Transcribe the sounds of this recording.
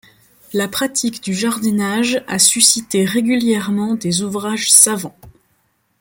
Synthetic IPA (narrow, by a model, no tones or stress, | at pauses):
lapχat̪ʰikd̪yʒaʁd̪inaʒasysit̪eʁeɡʲyljɛʁmɑ̃d̪ezuvʁaʒsavɑ̃